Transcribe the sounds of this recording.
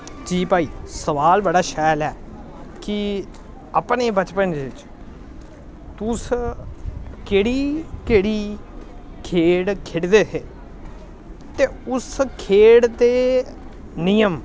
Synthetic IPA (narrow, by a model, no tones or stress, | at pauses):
d͡ʒiːpaːiːsəʋaːlbəɽaːʃɛːlɛː | kɪ | əpneːbət͡ʃpənɪt͡ʃ | t̪ʊs | keɽiːkeːɽiː | kʰeːɽkʰɪɽd̪eːɦeː | t̪eːʊskʰeːɽt̪eː | nɪjəm